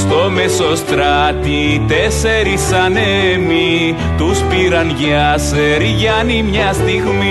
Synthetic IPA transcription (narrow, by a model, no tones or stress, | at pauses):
st̪o̞mesost̪ɾɐt̪i | t̪eseɾisɐnemi | t̪uspiɾɐnʝɐs | eɾiʝɐnimɲɐst̪iɣmi